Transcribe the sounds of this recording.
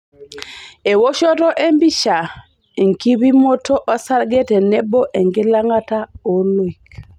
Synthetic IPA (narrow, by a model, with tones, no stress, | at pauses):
e˨wo˦ʃo˦tɔ˦ʔe˦mbi˦ʃa˨ | e˨ŋki˦bi˦mo˦tʰo˦ʔɔ˦sa˦lɡɛ˦tɛ˨nɛ˦bɔ˦ʔe˨ŋɡɪ˦la˦ŋa˦ta˦o˦lwi˨k